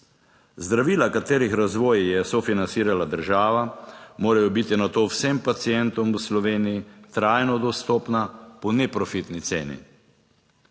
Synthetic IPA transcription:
zd̪ɾaʋiːlakat̪eːɾixɾazʋɔːjjɛsofinansiːɾalad̪əɾʒaːʋamoːɾajɔbit̪inat̪oːwsɛmpat̪siɛnt̪ɔmwslɔʋeːnijit̪ɾaːjnɔd̪ɔst̪ɔːpnapɔnɛpɾɔfit̪nit̪seːnḭ

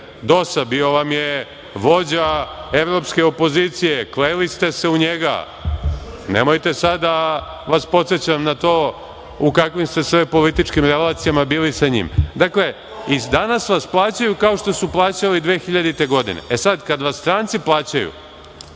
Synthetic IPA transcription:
d̪o̞sabio̞ʋamje̞ | ʋo̞d͡ʑae̞ʋɾo̞pske̞opo̞ziːt̪sije̞kleːlist̪e̞se̞uɲeɡa̰ | nḛmo̞jt̪e̞sad̪ːa | ʋaspo̞t̪set͡ɕamnat̪o̞ː | ukakʋimst̪e̞sʋepo̞lit̪it͡ʃkimɾelˠaːt̪sijamabiːlisaɲḭmd̪akle̞ | id̪anasʋasplˠaːt͡ɕajukao̞ʃt̪o̞suplˠaːt͡ɕalid̪ʋeːxiʎad̪it̪e̞ɡo̞d̪ḭnḛʔesad̪kad̪ʋast̪ɾaːnt̪siplˠaːt͡ɕajṵ

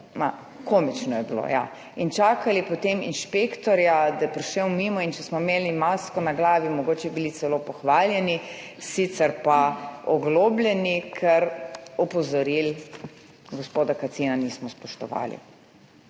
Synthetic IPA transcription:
ma | komit͡ʃnɔjɛbilo̰ja̰ | int͡ʃaːkalipɔt̪emḭnʃpekt̪ɔɾjad̪ajɛpɾiʃɛwmiːmɔint͡ʃɛsmɔmeːlimaskɔnaɡlaːʋimɔɡoːt͡ʃɛbilit̪sɛloːpɔxʋaːljɛni | sit̪sɛɾpaɔɡloːblʲɛnikʰɛɾɔpɔzɔɾil | ɡospoːd̪akat̪sinaniːsmɔspɔʃt̪ɔ̰ʋa̰ːlḭ

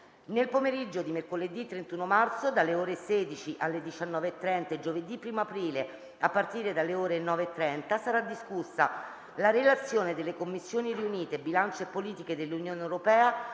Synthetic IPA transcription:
nelpomeɾid͡ʒːod̪imerkoled̪ːit̪ːɾent̪uːnomart̪sod̪alːeoːɾeseːd̪it͡ʃiʔalːed̪it͡ʃanːɔːveːt̪ːɾɛnt̪aed͡ʒoved̪ipːɾiːmoapɾiːle | apːart̪iːɾed̪alːeoːɾenɔːveːt̪ːɾɛnt̪asaɾad̪iskusːa | laɾelat̪sːjoːned̪elːekomːisːjoːniɾiuniːt̪ebilant͡ʃeepːoliːt̪iked̪elːunjoːneewɾopɛːa

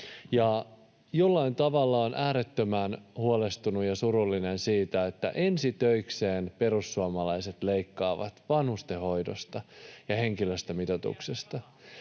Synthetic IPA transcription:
jɑ | jolːɑint̪ɑʋɑlːɑonʔæːɾet̪ːømænhuole̞st̪unujɑsuɾulːinensiːt̪æet̪ːæ̰ʔe̞nsit̪øikse̞ːnpe̞ɾusːuɑmɑlɑjset̪le̞ikːɑːʋɑ̰t̪ʋɑnhust̪eɦo̞jdo̰st̪ɑjɑhe̞ŋkiløst̪æmit̪ot̪ṵksest̪ɑ

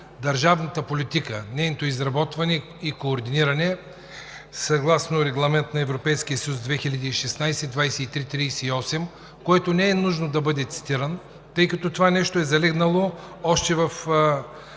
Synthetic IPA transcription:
d̪ɐɾʒavnət̪əpolʲit̪ikənɛjnot̪oizɾɐbɔt̪vɐnɛ | ikoːɾd̪iniɾɐnɛ | sɐɡlˠasnoɾɛɡlˠɐmɛnt̪nɐɛvɾopɛjsk̟ijəsəjusd̪vɛxilʲɐd̪iːʃɛsnajsɛd̪vajsɛit̪ɾit̪ɾijsɛiɔsɛm | koɛt̪onɛɛnuʒnod̪ɐbɤd̪ɛt̪si̥t̪iɾən | t̪ɤjkɐt̪ɔt̪ovanɛʃt̪oɛzɐlɛɡnɐlˠoɔʃt̪ɛvɐf

